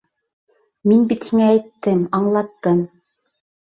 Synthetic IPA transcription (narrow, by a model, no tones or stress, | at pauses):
minbit̪hiŋæːjt̪ːɘmɑɴlˠɑt̪ːɤm